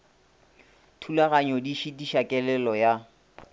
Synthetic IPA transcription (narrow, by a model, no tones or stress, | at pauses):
tʰulaɣaɲɔdiʃidiʃakʼɛlɛlɔja